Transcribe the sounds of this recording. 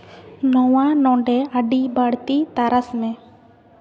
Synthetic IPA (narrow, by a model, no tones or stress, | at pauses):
nɔwanɔɖɛaɖibaɽt̪it̪aɾasmɛ̃